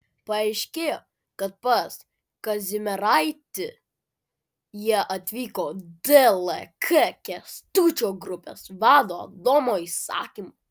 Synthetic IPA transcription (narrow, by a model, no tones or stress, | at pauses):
pɐɐɪʃʲkʲeːjoː | kɐt̪̚pɐs | kɐzʲɪmʲɛɾɐɪt̪ʲɪ | jiɛʔɐt̪ʲʋʲiːkoːd̪ɛlˠɛkʰɛkʲɛst̪uːt͡ʃʲoːɡɾʊpʲḛːsʋɑːd̪oːɐ̰d̪oːmoːisɑ̰ːkʲimo